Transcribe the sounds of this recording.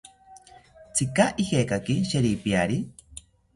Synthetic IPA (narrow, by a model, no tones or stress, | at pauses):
t͡sʰikaʔihekakiʃeɾipiaɾi